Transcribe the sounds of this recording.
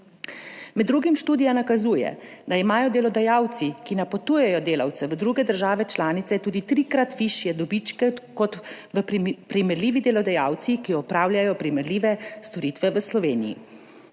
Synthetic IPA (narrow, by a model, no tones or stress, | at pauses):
mɛd̪ːɾuɡimʃt̪uːd̪ijanakazuːjɛ̰d̪aimaːjɔd̪ɛlɔd̪ajaːwt̪sikinapɔt̪uːjɛjɔd̪eːla̰wt̪sɛʋəd̪ɾuɡɛd̪əɾʒaːʋɛt͡ʃlaːnit̪sɛt̪uːd̪it̪ɾiːkɾat̪ʋiʃjɛd̪ɔbit͡ʃkɛkɔt̪ʋəpɾimɛɾlʲiːʋid̪ɛlɔd̪ɛjaːwt̪sikiɔpɾaːwlʲjʲajɔpɾimɛɾlʲiːʋɛst̪ɔɾiːt̪ʋɛʋəslɔʋeːnijḭ